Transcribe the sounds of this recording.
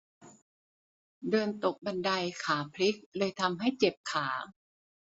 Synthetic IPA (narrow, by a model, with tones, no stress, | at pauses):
dɤː˧nt̪o˨˩k̚ba˧nda˧jkʰaː˩˦pʰli˦˥k̚lɤː˧jt̪ʰa˧mɦa˥˩jt͡ɕe˨˩p̚kʰaː˩˦